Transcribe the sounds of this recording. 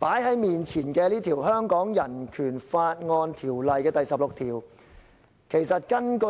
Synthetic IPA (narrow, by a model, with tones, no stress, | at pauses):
paː˨˥jɦɐ˨˥jmiː˨nt͡sʰiː˨˩nkɛː˧liː˥t̪ʰiː˨˩wɦœː˥ŋkɔː˨˥ŋjɐ˨˩nkʰyː˨˩nfaː˧t̚ŋɔː˧nt̪ʰiː˨˩wlɐ˨jkɛː˧t̪ɐ˨jsɐ˨p̚lo˨k̚t̪ʰiː˨˩w | kʰe˨˩jsɐ˨t̚kɐ˥nkɵ˧